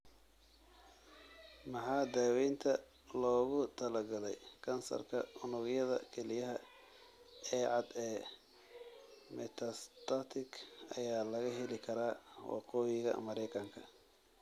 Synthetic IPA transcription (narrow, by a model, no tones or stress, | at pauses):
mɑħɑːd̪aːwɛnt̪ʰɐ | lɔːɣʊt̪ʰɐlɐɡɐlɛ̰jkʰɐnsɐ̰rkʰɐ̰ʊnʊɣjɐðɐ̰kʰɛlɪjɐɦɐ | ɛːʕɑd̪ɛː | mɛt̪ʰɐst̪ʰɐt̪ʰɪkʰɐjaːlɐɣɐɦɛlɪkʰɐɾaːwɑ̰qɔːjɪɣɐ̰mɐɾɛjkʰɐŋkʰɐ